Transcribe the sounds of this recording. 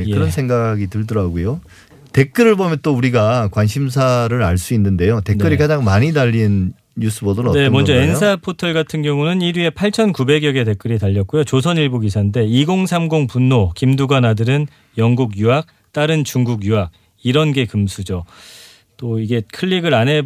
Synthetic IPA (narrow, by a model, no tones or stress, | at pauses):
eɯɾʌnsʰe̞ŋɡaɡitɯɭdʌɾaɡojo | te̞k͈ɯɾɯɭbomjʌnt͈ouɾiɡakwanɕʰims̬ʰaɾɯɾaɭs͈uinːɯnde̞jote̞nk͈ɯɾikad͡ʑaŋmaɲidaʎːin | ɲus͈ɯbodʌnʌnemʌnd͡ʑʌens̬ʰapʰotʰʌɭɡatʰɯnɡjʌŋunɯniɾɥie̞pʰaɭt͡ɕʰʌnkube̞ɡjʌɡe̞te̞k͈ɯɾitaʎːʌt̚k͈ujot͡ɕosʰʌniɭbuɡisʰande̞iɡoŋsʰamɡoŋpunːokimduɡanadɯɾɯn | jʌŋɡuɡjuɦak̚ | t͈aɾɯnt͡ɕuŋɡuɡjuɦak̚ | iɾʌnɡe̞kɯmsʰud͡ʑo | t͈oiɡe̞kʰɯʎːiɡɯɾanɦe̞